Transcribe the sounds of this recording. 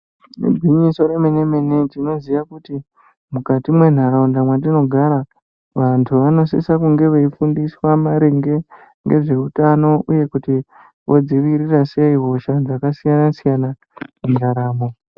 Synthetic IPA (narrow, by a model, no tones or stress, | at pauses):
nḛbʱiɲiso̞ɾemenemenetino̞ziʋakuti | mukatimwe̞n̤aɾaundamwadino̞ɡʱaɾa | ʋantʰuʋano̞sisakuŋɡe̞ʋeifundiswamaɾeŋɡe̞ | ŋɡe̞̰ʐe̞utano̞ʔuje̞kuti | ʋo̞d͡ziʋiɾiraseiɦo̞ʃad͡zakasijanasijana | mundaɾaːmo